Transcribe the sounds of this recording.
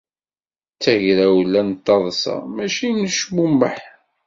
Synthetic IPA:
t͡sːæʝɾæwlːænt̪ˤːɑðˤsɑ̰mæʃinəʃmumːəħ

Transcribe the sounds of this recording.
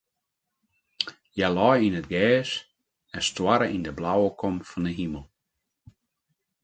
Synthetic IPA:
jalɔjinətɡɛːs | ɛstwaɾəʔindəblawəkʰɔmfɔndəɦiməlˠ

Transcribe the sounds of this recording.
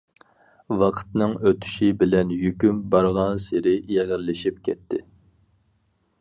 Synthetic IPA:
wɑqʰə̥t̪nɨŋøt̪ʰy̥ʃibɪlɛnjykʲymbɑɾʁɑnseɾɪjɛʁəɾlɪʃip̚kʲʰɛt̪ʰːɪ̰

